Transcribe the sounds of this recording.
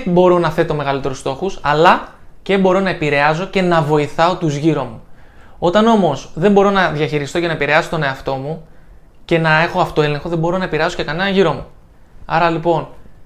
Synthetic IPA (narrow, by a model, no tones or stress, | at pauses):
bo̞ɾo̞nɐθe̞t̪o̞me̞ɣɐlit̪e̞ɾust̪o̞xusɐlɐ | ce̞bo̞ɾo̞nɐepiɾe̞ɐzo̞ce̞nɐvo̞iθɐo̞t̪uzʝiɾo̞mu | o̞t̪ɐno̞mo̞sðe̞mbo̞ɾo̞nɐðʝɐçiɾist̪o̞ce̞nɐepiɾeɐso̞t̪o̞ne̞ɐft̪o̞mu | ce̞nɐe̞xo̞ɐft̪o̞e̞le̞ŋxo̞ðe̞mbo̞ɾo̞nɐe̞piɾeɐso̞ce̞kɐne̞nɐʝiɾo̞mu | ɐ̰ɾɐlipo̞n